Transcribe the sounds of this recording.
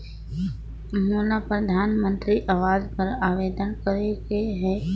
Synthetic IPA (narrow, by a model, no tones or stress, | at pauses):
mulapɾəd̪ʱaːnmə̃nt̪ɾiʔɐʋaːzpɐɾaːʋeːd̪ənkəɾeɡeɦɛː